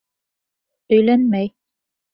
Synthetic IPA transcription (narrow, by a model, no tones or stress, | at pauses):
ɵ̆jlænmæj